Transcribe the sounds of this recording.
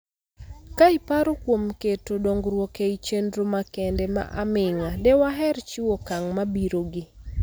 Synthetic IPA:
kaɪpaɾokwomketodoŋɡɾwɔkeit͡ʃendɾomakɛndɛma̰ʔa̰mɪŋalɛwaɦɛɾt͡ʃiwokaŋmabiɾoɡɪ

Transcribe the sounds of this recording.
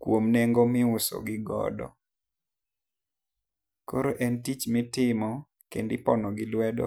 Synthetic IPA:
kwomnɛŋɡomɪʊsɔ̰ɡɪɡɔ̰dɔ̰ | koɾoʔɛntit͡ʃmɪtɪmɔ | kḛndɪpɔnɔɡɪlwɛdɔ̰

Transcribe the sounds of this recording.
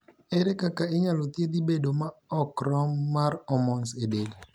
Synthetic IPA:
ɛɾɛkakaɪɲalot̪ied̪ibedomaɔkɾɔmːaɾɔmɔnsedeli

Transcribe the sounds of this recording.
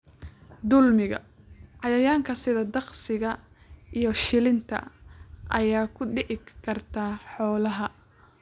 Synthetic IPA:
d̪ʊlmɪɣɐ̰ | ʕɑjɐjaːŋkʰɐsɪðɐd̪ɑqsɪɣɐ | ʔijɞʃɪlɪnt̪ʰɐ̰ʔɐjaːkʰʊɖɪʕɪkʰɐrt̪ʰaːħɔːlɐɦɐ

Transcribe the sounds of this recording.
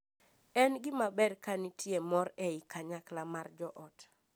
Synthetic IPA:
ɛnɡɪmabɛrkanitʰjemɔɾɛɪkaɲaklamard͡ʒɔʔɔt

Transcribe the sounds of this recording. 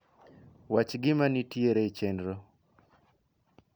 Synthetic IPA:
wat͡ʃɡɪmanitjeɾet͡ʃɛndɾo

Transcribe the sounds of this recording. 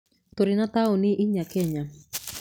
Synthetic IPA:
toɾɪnataʊnɪʔiɲakɛɲa

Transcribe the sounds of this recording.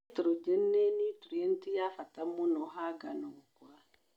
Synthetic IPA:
tɾod͡ʒenːenituɾientijafatamunɔɦaɡanukwa

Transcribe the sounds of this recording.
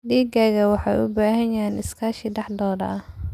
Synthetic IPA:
diːɡaːɣɐwɑħɑjʊ̰baːɦɐjaːnɪskʰaːʃɪɖɑħd̪ɔːdɐ̰ɐ

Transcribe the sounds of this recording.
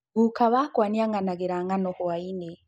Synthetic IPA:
ɡukaβakwaːniaŋɡanaɡeɾaŋɡanohoaine

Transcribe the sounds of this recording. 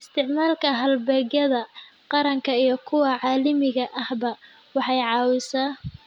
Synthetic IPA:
ɪst̪ʰɪʕmaːlkʰɐɦɐlbɛɣjɐðɐqɑɾɐŋkʰɐijɞkʰʊwɐʕɑːlɪmɪɣɐʔɐhbɐ | wɑħɑjʕɑːwɪsaː

